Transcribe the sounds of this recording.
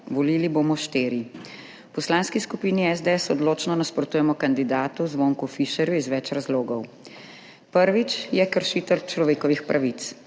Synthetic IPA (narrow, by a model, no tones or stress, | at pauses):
ʋɔliːlibomɔʃt̪eːɾi | pɔslaːnskiskupiːniɛzd̪ɛɛsɔd̪loːt͡ʃnɔnaspɾɔt̪uːjɛmɔkand̪id̪aːt̪uzʋoːŋkufiʃɛɾjuizʋɛt͡ʃɾazloːɡɔw | pəɾʋit͡ʃjɛkəɾʃiːt̪ɛlt͡ʃlɔʋeːkɔʋixpɾʔaʋit̪s